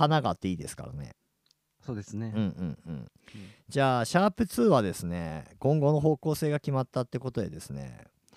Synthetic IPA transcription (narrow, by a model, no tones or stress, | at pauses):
anaɡat̪ːe̞iːd̪e̞sɨ̥ka̰ɾa̰ne̞̰ | soːd̪esɨneɯ̟̃ɴɯ̟̃ɴɯ̟̰̃ɴ | d͡ʑaːɕaːpɯ̟t͡sɨːβad̪e̞sɨne̞̰kõ̞ŋɡo̞no̞ɦo̞ːko̞ːse̞ːɡakʲimat̪ːat̪ːe̞ko̞t̪o̞d̪e̞d̪e̞sɨne̞̰